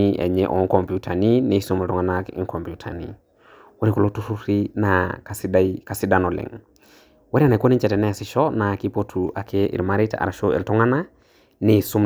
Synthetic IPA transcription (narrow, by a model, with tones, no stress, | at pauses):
i˦ʔɛ̰˨ɲɛʔɔ̰˨ŋkɔ˨mpiutʰa˨ni˦ne˨su˦me˨ltɔ˦ŋanakḭ˦ŋkɔ˨mpjutʰa̰˨nḭ | wo˦ɾi˨ku˨lo˦tu˦su˦ɾi˦nakasdka˨si˦da˦nɔ˨lɛ̰˨ŋ | wa˦ɾia˦na˨i˨ko˦ni˦ɲt͡ʃɛ˨tɛ˨nɛ˦˨sɪ˨ʃɔna˨ki˦po˦tʰu˨ʔa˨kʰe˦ḭ˨ɾma˦ɾi˦ta̰a̰ɾa˨ʃo˦ḛ˨ltɔ˦ŋa˦na˦ | ne˨su˦m